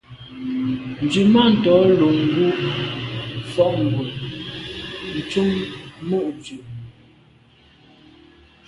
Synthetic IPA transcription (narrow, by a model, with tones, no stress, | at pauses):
n̩˨d͡ʒi˨ma˦˨n̩˨tɔ˨˦lo˨ŋ˦ɡu˦ʔ | fɔ˦ʔŋ˨ɡwe˨ | n̩˨t͡ʃu˦ŋmu˦˨ʔd͡ʒʉ˨